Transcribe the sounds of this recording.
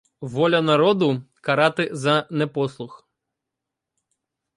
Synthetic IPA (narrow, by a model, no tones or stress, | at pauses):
ʋɔlʲɐnɐɾɔd̪ʊkɐɾɑt̪ɪzɐnɛpɔslˠʊx